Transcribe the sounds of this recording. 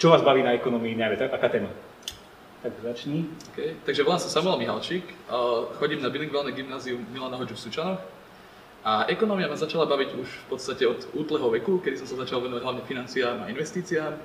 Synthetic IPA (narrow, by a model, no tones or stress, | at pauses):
t͡ʃɔʋaːzbaʋiːnaɛkɔnɔmiːɲaʋɛt̪akakaːt̪ɛːma | t̪aɡzat͡ʃɲiɔkɛjt̪aɡʒɛɔlaːmsasamuʊɛlmiɦa̰lt͡ʃikːxɔɟiːmnabiliŋɡʋɛlnɛɡimnaːziumilanɔɦɔd͡ʒufsut͡ʃanɔx | ʔaʔɛkɔnɔmiamazat͡ʃalabaʋiɟuʃfpɔt̪st̪acɛɔd̪uːt̪lɛɦɔʋɛkukɛd̪isɔmsazat͡ʃalˠʋɛnɔʋaɟɦlaʋɲɛfinant͡siaːma̰inʋɛst̪iːt͡siaːm